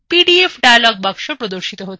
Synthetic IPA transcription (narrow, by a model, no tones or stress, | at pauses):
piɖiefɖajalɔɡ̚bakʂəpɾɔd̪oɾʃit̪ɔɦot̪